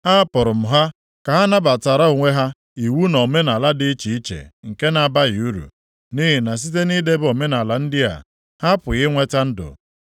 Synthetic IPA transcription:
ha˦pʊ˨ɾʊ˨m̩˨ɦa˦ | ka˨ɦa˦na˦ba˨ta˨ɾa˦o˨ŋʷe˦ɦa˦ | i˨wu˦nɔ˨me˦na˨la˦dɪ˦t͡ʃi˨i˦t͡ʃḛ˨ŋ̩˨ke˦na˨ba˦ɣɪ˨u˦ɾṵ˨ | ni˦ɦi˨na˨s̬i˦t̬e˦ni˦de˦bo˨me˦na˨la˨n̩˦dɪ˦a̰˨ | ha˦pʊ˨ɣɪ˦ŋʷe˦ta˦n̩˦dʊ̰˨

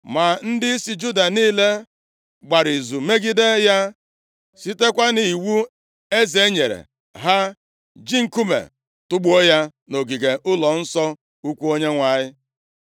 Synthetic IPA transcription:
ma˨n̩˦dɪ˦i˦si˨d͡ʒu˦da˨niː˦le˦ | ɡ͡ba˨ɾi˨zu˨me˦ɡi˦de˦ja˦ | si˦te˦kʷa˦ni˨i˨wu˦ | e˦ze˦ɲe˨ɾḛ˨ | ɦa˦ | d͡ʒi˦ŋ̩˨ku˦mḛ˨ | tʊ˦ɡ͡bo˦ja˦no˨ɡi˨ɡe˨ʔʊ˦lɔ˨n̩˦sɔ˦ | u˦kʷu˦o˦ɲe˦ŋʷa˨ɲɪ˦

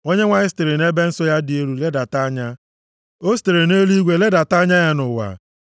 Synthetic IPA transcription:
o˦ɲe˦ŋʷa˦˨ɲɪ˦ste˨ɾe˨ne˦be˦n̩˦sɔ˦ja˦dɪ˨e˦ɾu˨le˦da˨ta˦ɲa˦ | o˦ste˨ɾe˨ne˦li˦ɡʷe˦le˦da˨ta˦ɲa˦ja˦nʊ˨wa̰˨

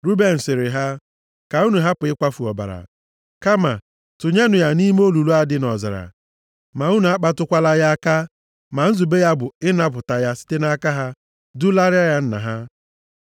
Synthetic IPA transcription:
ɾu˦be˨n̩˨sɪ˨ɾɪ˨ɦa˦ | ka˨u˦nu˨ɦa˦pʊ˨ɪ˦kʷa˦fu˨ɔ̰˨ba̰˨ɾa̰˨ | ka˦ma˨ | tʊ˨ɲe˦nʊ˨ja˨ni˦m˦o˦lu˨lu˦a˦dɪ˦nɔ˨za̰˨ɾa̰˨ | ma˨u˦nu˨a˦k͡pa˦tʊ˦kʷa˦la˦ja˦a˦ka˦ | ma˨n̩˦zu˨be˦ja˦bʊ˨ɪ˦na˦p̬ʊ˨ta˨ja˦si̥˦te˦na˦ka˦ɦa˦ | dʊ˦la˦ɾja˦ja˦n̩˦na̰˨ɦa˦

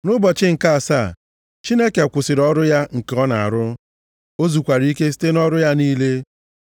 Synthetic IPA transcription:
nʊ˦bɔ˨t͡ʃɪ˦ŋ̩˨ka˦a˨sa˦˨ | t͡ʃi˦ne˦ke˨kʷʊ˨sɪ˨ɾɔ˦ɾʊ˦ja˦ŋ̩˨ke˨ɔ˦na˨a̰˨ɾʊ˦ | o˦zu˨kʷa˨ɾi˦ke˦s̬i̥˦te˦nɔ˦ɾʊ˦ja˦niː˦le˦

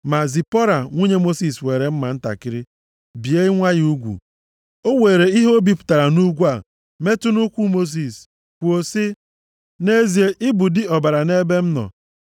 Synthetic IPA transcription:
ma˨zi˨pɔ˦ɾa˨ŋʷu˦ɲe˦mo˦si˨swe˨ɾe˨m̩˦ma˨n̩˦ta̰˨kɪ˦ɾɪ˦ | bi˨e˦ŋʷa˦ju˦ɡʷṵ˨ | o˦we˨ɾe˨i˦ɦo˦bi˦pʊ̥˨ta˨ɾa˨nu˦ɡʷu˦a˨ | me˦tʊ˦nʊ˦kʷu˦mo˦s̬i˨s | kʷu˨o˨sɪ˦ | ne˦zi˨e˦ʔɪ˦bu˨dɪ˨ɔ˨ba˨ɾa˨ne˦be˦m̩˦nɔ̰˨

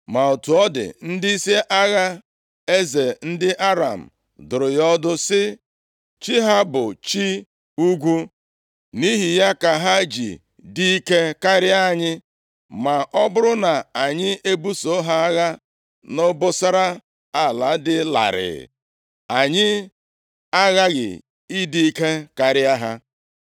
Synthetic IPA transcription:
ma˨o˨tu˨ɔ˦dɪ̰˨n̩˦dɪ˦i˦se˦ʔa˦ɣa˦ | e˦ze˨n̩˦dɪ˦ʔa˦ɾa̰˨m̩˨ | dʊ˨ɾʊ˨jɔ˦dʊ˦sɪ˦ | t͡ʃi˦ɦa˦bʊ˨t͡ʃi˦ | u˦ɡʷu˦ | ni˦ɦi˨ja˦ka˨ɦa˦d͡ʒḭ˨ | di˦i˦ke˦ka˦ɾɪ˦a˨ɲɪ˦ | ma˨ʔɔ˦bʊ˦ɾʊ˦na˨a˨ɲɪ˦e˦bu˦so˨˦ɦa˦a˦ɣa˦ | no˦bʊ˦sa˦ɾa˦ | a˦˨la˨˦dɪ˦la̰˨ɾɪ̰˨ | a˨ɲɪ˦ | a˦ɣa˦ɡɪ̰˨ | i˦di˦i˦ke˦ka˦ɾɪ˦a˦ɦa˦

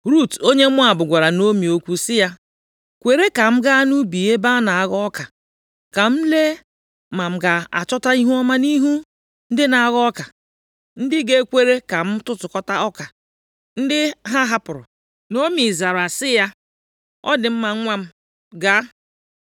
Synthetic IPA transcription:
ɾu˦to˦ɲe˦mʊ˦a˨bʊ˨ɡʷa˨ɾa˨no˦mi˨o˦kʷu˦sɪ˦ja˦ | kʷe˨ɾe˦ka˨m̩˦ɡa˦nu˦bi˨e˦ba˦na˨a˨˦ɣɔ˦ka˨ | ka˨m̩˦le˦ | ma˨m̩˦ɡa˨a̰˨t͡ʃɔ˦ta˦i˦ɦu˦ɔ˦ma˦ni˦ɦu˦ | n̩˦dɪ˦na˨a˦˨ɣɔ˦ka˨ | n̩˦dɪ˦ɡe˦kʷe˦ɾe˦ka˨m̩˦tʊ˦tʊ˨kɔ˦ta˦ɔ˦ka˨ | n̩˦dɪ˦ɦa˦ɦa˦pʊ˨ɾʊ̰˨ | no˦mi˨za˨ɾa˨sɪ˦ja˦ | ɔ̰˦dɪ˨m̩˦ma˨˦ŋʷa˦m̩˦ | ɡa˦

